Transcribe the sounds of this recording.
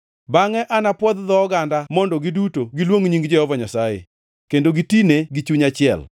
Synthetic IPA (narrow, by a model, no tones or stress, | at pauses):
baŋɛʔanapwɔd̪d̪ɔːɡandamɔndɔɡidutoɡilwoŋɲiŋɡd͡ʒɛhɔvɔɲasajḛ | kendoɡitineɡit͡ʃuɲat͡ʃɪɛ̰l